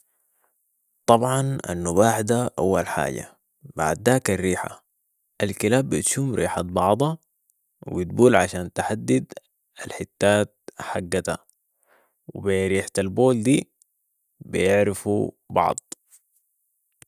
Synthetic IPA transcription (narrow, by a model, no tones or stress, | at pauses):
t̪ˤɑbʕɑna̰nːuβaːħd̪aʔawːa̰lħa̰ːɟa̰ | ba̰ʕd̪ːaːkarːiːħa̰ | ʔalkilaːbːit̪ʃuːmɾʔḭːħat̪̚bɑʕd̪ˤɑ | w̰bit̪̚buːlʕaʃaːnt̪aħad̪ːid̪ | alħɪt̪ːaːt̪̚ħaɡːat̪a̰ | wibiɾiːħt̪alboːld̪iː | bijɪʕɾɪfṵ | bɑ̰ʕd̪ˤ